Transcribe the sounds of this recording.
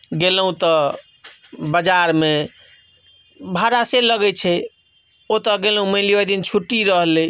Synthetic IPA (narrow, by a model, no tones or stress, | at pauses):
ɡelɦũt̪ɔ | bəd͡ʒaɾme | bʱaɾaseləɡɛt͡ʃʰɛ | ot̪ɔɡelɦũməɪliəjd̪int͡ʃʰuʈːiɾəɦle